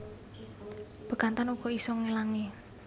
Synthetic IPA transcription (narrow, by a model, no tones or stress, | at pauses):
b̥ə̤kant̪anuɡ̥ɔ̤isɔŋelaŋi